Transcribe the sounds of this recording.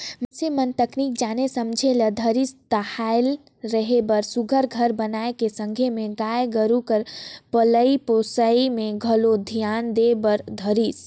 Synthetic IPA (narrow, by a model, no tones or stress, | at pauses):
məsemənt̪əknik̚d͡ʒanesəmd͡ʒʱeləd̪ʱəɾist̪əhael | ɾəɦebəɾsuɡʱəɾɡʱəɾbənaekesə̃ŋɡʱemeɡaeɡəɾukəɾpələiposəimeɡʱəlod̪ʱijand̪ebəɾd̪ʱəɾis